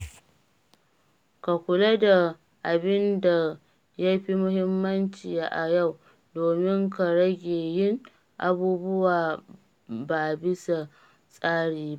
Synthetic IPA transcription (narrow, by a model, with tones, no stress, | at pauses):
ka˨kʷʊ˨le˦da˨ | ʔa˨bɪ˦nda˨ | ja˦jɸi˦mʊ˦hɪ˦mːɐ˦nt͡ʃi˨ja˦ʔa˨ja˦˨w | doː˨mɪ˦ŋka˨ɽɐ˦ɡʲeː˨jɪ˦ŋ | ʔa˨buː˦bʊ˦waː˨ | ba˨bɪ˦sa˨ | sʼaː˦ɽiː˨ba˦ʔ